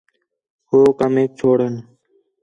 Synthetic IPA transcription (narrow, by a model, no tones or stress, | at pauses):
hoːkəmeːk̚t͡ʃʰoːɽən